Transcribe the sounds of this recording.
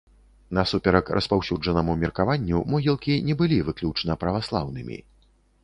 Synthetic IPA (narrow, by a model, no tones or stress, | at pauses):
nɐsupʲɛɾɐkɾʔɐ̰spawsʲud͡ʐɐnɐmumʲɛrkavanʲːumɔɣʲilˠkʲinʲɛbɨlʲivɨklʲut͡ʂnɐpɾɐvaslˠawnɨmʲḭ